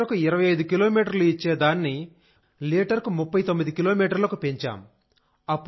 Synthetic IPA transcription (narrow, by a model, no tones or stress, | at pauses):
ɾɐkuiɾɐʋɐjɐjd̪ukilo̞ːmiːʈɐɾluit͡ʃːeːd̪aːnːi | liːʈɐɾkumupːɐjt̪o̞mːid̪ikilo̞ːmiːʈɐɾlɐkupeɲt͡ʃa̰ːm | ɐpː